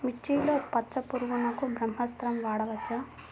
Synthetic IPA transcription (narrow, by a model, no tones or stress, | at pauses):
mit͡ʃːijloːpɐtːt͡ʃːɐpuɾuɡunɐkubʱɾɐmɦɐst̪ɾɐmʋaːɽɐʋɐt͡ʃːɐ